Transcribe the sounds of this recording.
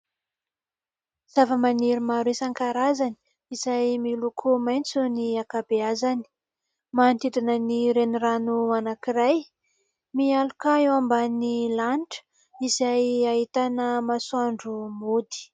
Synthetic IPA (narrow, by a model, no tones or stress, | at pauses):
z̥avəmaniɾimaɾisaŋkaɾazani̥ | izajmilukʰumajnt͡suniakabeazani̥ | mant̪id̪inəniɾeniranuanakiraj | mialukaewambanilanʈ͡ʂə̥ | izajaɦit̪anəmasuaɳɖ͡ʐumod̪i̥